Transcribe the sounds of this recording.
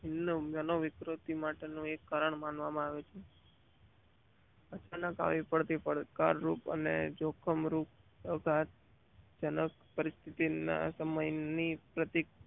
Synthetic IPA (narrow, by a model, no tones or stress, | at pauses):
ɦɪnːəmənoʋɪkɾot̪imaʈenũekːaɾəɳmãnʋamãaʋet͡ʃʰe | ət͡ʃanəka̰ʋipəɽt̪ipəɽkaɾːupə̰nḛd͡ʒokʰəmɾup̚ | əɡʱat̪̚ | d͡ʒənək | pəɾist̪ʰit̪ina̰səməjnipɾət̪ik̚